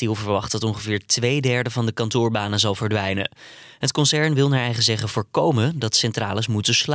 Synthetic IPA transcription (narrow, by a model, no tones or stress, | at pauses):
tilˠvəɹʋɑχtdɑtɔŋχəvɪːɹtʋejdɛɹdəvɑndəkɑntʊːɹbaːnəzɑlˠvəɹdʋɛjnə̰ɦətkɔnsɛɹnʋɪlˠnaːɹɛjχəzɛχəvʊːɹkowməndɑtsɛntra̰ːləs̬mutəsl